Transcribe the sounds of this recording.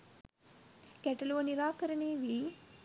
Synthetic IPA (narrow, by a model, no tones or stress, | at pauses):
kɛʈɐloʋəniɾaːkɐɾəɳeːʋi